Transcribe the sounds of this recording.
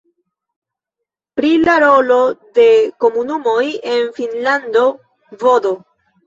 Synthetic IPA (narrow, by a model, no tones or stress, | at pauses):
pɾilaɾo̞lo̞de̞ko̞munumo̞je̞nfinlando̞ | vo̞do̞